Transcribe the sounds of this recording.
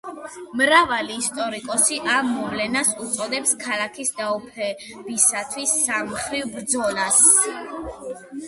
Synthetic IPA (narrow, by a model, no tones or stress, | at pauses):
mɾavaliːst̪ʼɔɾikʼɔsiʔamːɔvlɛnasut̪sʼɔd̪ɛpskʰalakʰisd̪aɔpʰɛ | bisat̪ʰwisːamχɾivbɾd̪zɔlas